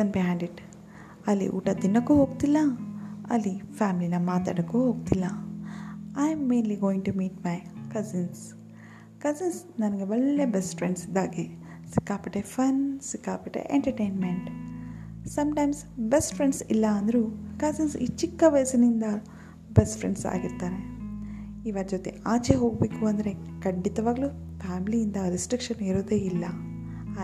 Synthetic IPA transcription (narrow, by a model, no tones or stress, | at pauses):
sɐnbiɦãːɳɖiʈ | ɐlːḭʔṵːʈɐd̪inːɐkːuɦoːɡ̚t̪ilːaɐ̰lːifaːmilinɐmaːt̪a̰ːɖɐkuɦoːɡ̚t̪ilːa | ajmːẽːnliɡoːĩŋʈumiːʈmajkɐzins | kɐzinsnɐnɐɡeʋɐɭːebesʈfɾeɳɖsid̪aːɡi | sikːaːpɐʈefɐnsikːaːpɐʈḛʔeɳʈɐɾʈejnmeɳʈ | sɐmʈɐjmsbesʈpʰɾeɳɖsilːɐːnd̪ɐɾukɐsinsḭːt͡ʃikːɐʋɐjɐsɐnind̪ɐ | besʈpʰɾeɳɖsa̰ːɡiɾt̪aːɾe | iʋaːɾɐd͡ʒot̪ḛaːt͡ʃeɦo̞ːɡ̚beːkuɐnd̪ɐɾe̞kɐɳɖit̪ɐʋaːɡlupʰaːmilijind̪ɐɾisʈɾikʂɐniɾoːd̪eːilːɐ